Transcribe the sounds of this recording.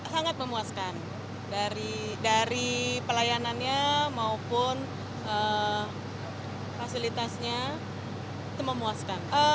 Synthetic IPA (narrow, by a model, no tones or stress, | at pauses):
saŋat̪̚məmuaskan | daɾidaɾipəlajananɲamaupʊn | ʔə | fasilit̪asɲa | it̪uməmuaskanə